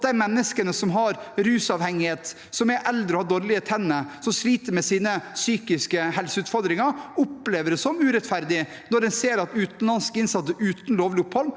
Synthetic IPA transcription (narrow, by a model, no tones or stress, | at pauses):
t̪d̪æɪmɛnːəskənəsɔmɦɑɾɾʉːsɑʋhɛŋːɪheːt̪ | sɔmɛʔɛld̪ɾəɔhɑɾd̪oːɾlɪət̪ʰɛnːəsɔmsliːt̪əɾmɛsiːnəsyːkɪskəhɛlsəʉːt̪fɔɾd̪ɾɪŋɑʊpleːʋəɾsɔmʉːɾɛt̪fæɾd̪ɪ | nɔɾd̪ɛnseːɾɑt̪ʉːt̪n̩lɑnskəɪnsɑt̪səʔʉːt̪n̩loːʋlɪʊphɔlː